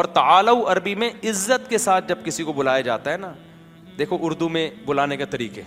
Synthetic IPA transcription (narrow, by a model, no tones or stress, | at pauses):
ɔːɾt̪ɐaːlauɐɾbimẽɪzːət̪kesaːt̪̚ʰd͡ʒɐb̚kɪsikobʊlaːjad͡ʒa̰ːt̪aɦɛna | d̪eːkʰoʔʊɾd̪umẽbʊlaːneket̪ɐɾiːqeː